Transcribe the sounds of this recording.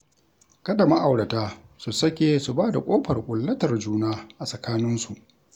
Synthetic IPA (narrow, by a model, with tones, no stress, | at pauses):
kɐ˦da˨ma˦ʔa˨wɽɐ˨taː˦su˨sɐ˦kʲeː˨su˨baː˦da̰˨kʷʼoː˦ɸɐ˨rkʷʼʊ˨lːɐ˦tɐ˨rd͡ʒuː˦naː˦ʔa˨sʼɐ˨kaː˦nɪ˦nsu˨ʔ